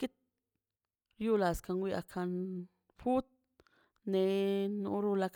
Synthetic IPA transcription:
ki˦t̪̚ | ɾju˦la˨ska˧nwi˧a̰˧kʰa˧n | fu˦t̪̚ | ne˧nṵ˧˦ɾu˧la˧k

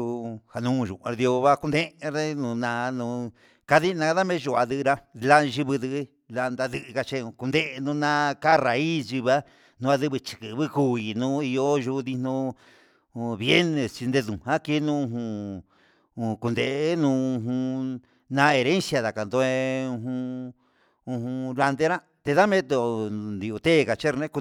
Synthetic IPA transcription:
u˧ha˧nũ˦˧˨ʒṵ̃˨a˧ɾðjo˧βa˦ku˧nd̪ẽ˦˧ɾe˦nũ˨˧nã˧nũ˧ | ka˧ði˦˧nã˧ða˦mẽ˦ʒu˧˨a˧ðɨ˧ɾa˦˧la˦ʒi˧βɨ˧ðɨ˧˦˧ | la˧nd̪a˧ðɨ˧ʔɨ˧ka˧t͡ʃẽ˧ku˧nd̪e˦ʔnũ˧˦nã˦ka˦˨ra˨i˦sʒi˧βa˦ | nũ˧a˧ðɨ˦βɨ˧t͡ʃi̥˨kɨ˨˧βɨ˦ku˦i˧nũː˦i˧jo˦ʒu˧ði˧nõ˧˨ | βje˦nẽ˧t͡ʃi˧nd̪e˧ðũ˨hã˦ke˦nũ˦ũ˧ɦũ˧ | ku˧nd̪e˨ʔnũ˧˦u˧ɦũ˧ | nã˧˦e˨˧ɾẽ˦nsja˧ða˨ka˨nd̪o˧e˧ũ˧ɦũ˧ | ũ˧ɦũ˧la˧nd̪e˦ɾã˦ | t̪e˧ða˦mẽ˦t̪o˧nd̪i˧u˧t̪e˦˨ka˨t͡ʃe˦ɾnẽ˦ku˧

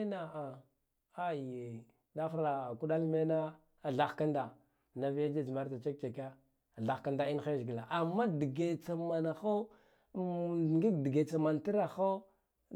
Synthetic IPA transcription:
na˨a˨ | a˦je˨ | da˦fɾa˨ku˦ɗa˦lme˦na˦ | a˨ɬa˨xka˦nda˨ | na˨vi˦ja˦d͡ʒa˦d͡ʒma˦ɾta˨t͡ʃe˦k̚t͡ʃe˨ka˦˨ | ɮa˨xka˦nda˨i˦n˦e˦zɡi˨la˨ʔa˨mːa˦di˨ɡe˨t͡sa˨ma˨na˨xo˦˨ | ɡi˦kdi˨ɡe˨t͡sa˨ma˨nti˦ɾa˨xo˦

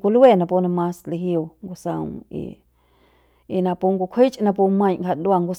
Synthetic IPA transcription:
kʷu˧lu˦e˦˧˨nã˧pu˧nã˧mã˧sli˧ɦju˧˨ŋɡu˧sã̰˧ŋḭ˧ | i˧nã˧pu˧ŋɡu˧kʷʰi˦t͡ʃʼnã˧p̬u˧mã˧jŋka˧˨dwa˧ŋɡu˧s

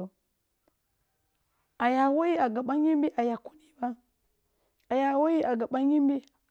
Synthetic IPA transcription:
o˨ | a˨ja˨wo˦ji˦a˨ɡa˨ɓa˦ɲi˦mbi˦ʔa˨ja˨ku̥˦ni˦ba˦ | a˨ja˨wo˦ji˦ʔa˨ɡa˨ɓa˦ɲi˦mbi˦

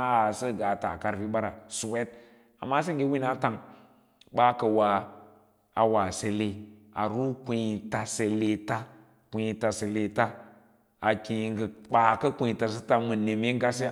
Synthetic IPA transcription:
a˨sə˦ɡa˨ta̰˨ka˨ɾfi˦ɓa˦ɾa˨su˨we˦t̚ | a̰˨mːa˦s̬ə˦ŋɡe˦wi˦na˦ta˨ŋ | ɓa˦kə˨wa˨ | a˨wa˨se˨le˨ | a̰˨ɾu˦kʷi˨i˨ta˨se˨le˨ta˦ | kʷu˨˦i˨ta˨se˨le˨ta˦ | a˨ki˨ŋɡə˨k͡pa˨kə˦kũ˦i˨ta˨s̬ə˦ta˨mə˨ne˨m˦e˦ŋ˦ɡa˦se˦

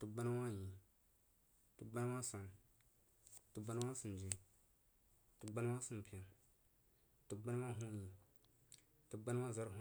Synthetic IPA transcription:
tu˨ba˦n˦wa˦ji˨ | tu˨ɡ͡ba˦na˦wa˦sa˨n | tu˨ba˦na˦wa˦si˨n˨d͡ʒi˨ | tu˨ɡ͡ba˦n˦wa˦sɨ˦m˨pi˨a˨ | tu˨ɡ͡ba˦na˦wa˦ɦũ˦ji˨ | tu˨ɡ͡ba˦n˦wa˦za˦ɾ

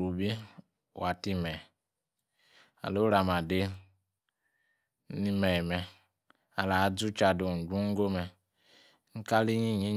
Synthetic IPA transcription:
u˨bi˦ | wa˨ti˦mɛ˨ | a̰˨lo˦ɾa˨ma˨de˦ | ni˦me˨mɛ˨ | a˨la˨˦d͡zu˦t͡ʃa˨do˨d͡ʒũ˦ŋ̩˦ɡo˦mɛ˨˦ | ŋ̩˦ka˦li˦ɲi˦ɲi˦

